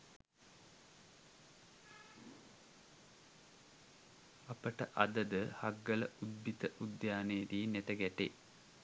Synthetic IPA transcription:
ɐpəʈəʔɐd̪əd̪əhɐɡːɐləʔud̪bit̪əʔud̪jaːnejediːnet̪ɐɡɛʈḛ

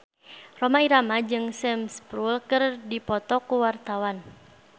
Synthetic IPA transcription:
romaiɾamad͡ʒɨŋsɛmspɾulkɨrdipɔt̪ɔkuwart̪awan

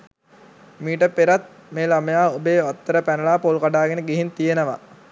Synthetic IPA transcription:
miːʈəpeɾat̪̚ | meːlaməjaːobeːat̪ːəɾəpænəlaːpolukaɖaːɡenəɡeɦint̪ijenəʋa̰

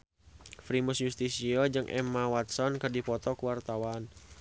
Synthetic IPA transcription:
fɾimusjust̪isiɔd͡ʒɨŋʔɛ̰mawat̪sɔnkərdipɔt̪ɔkuwart̪awan

